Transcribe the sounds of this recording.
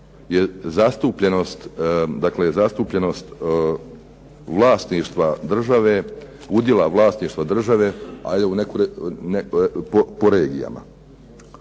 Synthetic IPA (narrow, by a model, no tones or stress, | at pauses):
jezast̪upʎeno̞st̪d̪aklezast̪upʎeno̞st̪ | ʋlˠaːst̪niːʃt̪ʋad̪r̩ʒaʋe̞ | ud̪ʲjelaʋlˠaːst̪niːʃt̪ʋad̪r̩ʒaʋe̞a̰d̪eunekuɾnepopoɾe̞ːɡija̰ma̰